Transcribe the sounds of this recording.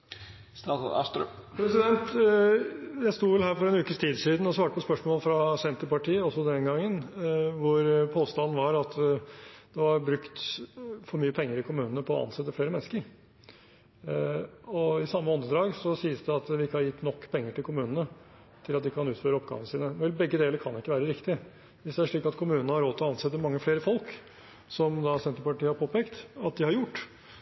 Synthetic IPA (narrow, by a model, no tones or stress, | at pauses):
st̪ɑɑ̰st̪ɾpʰɾɛsɪd̪ɛnt̪ | jæɪst̪uːʋɛlɦæːɾfɔɾɛnʉːkəst̪ʰiːd̪siːd̪n̩ɔsʋɑːʈəpɔspœʂmoːləfɾɑsɛnt̪əɾpɑʈʰiːəɔsɔd̪ɛnɡɑŋːənʋʊɾpʰoːst̪ɑnn̩ʋɑɾɑt̪ | d̪̥ɛʋɑɾbɾʉkt̪fɔɾmyːəpʰɛŋːəɾɪkʰʊmʉːnənəpʰɔɑ̰nsɛt̪ːəfleːɾəmɛnːəskəɾ | ɔɪsɑmːəɔnd̪əd̪ɾɑːɡsɔsiːəsd̪ɛɑt̪ʋɪɪkːəhɑɾjɪt̪ːnɔkːpʰɛŋːəʈɪlkʊmʉːnənə | t̪ʰɪlɑt̪d̪ɪkːəkʰɑnʉːt̪føːɾəɔpɡɑ̰ːʋnəsiːnəʋɛlbɛɡːəd̪eːləɾkʰɑnɪkːəʋæːɾəɾɪkt̪ɪə | ʋɪsd̪ɛæʂɭiːkɑt̪kʰʊmʉːnnəhɑɾoːt̪ʰɪlɔɑnsɛt̪ːəmɑŋːəfleːɾəfɔlk | sɔmd̪ɑsɛnt̪əpɑʈiːhɑɾpʰoːpɛːkt̪ɑt̪̚d̪ɪhɑɾjʊʈː